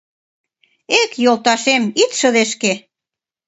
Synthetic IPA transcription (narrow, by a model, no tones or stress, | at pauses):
ekjolˠt̪ɑʃemit̪ʃə̆ðeʃke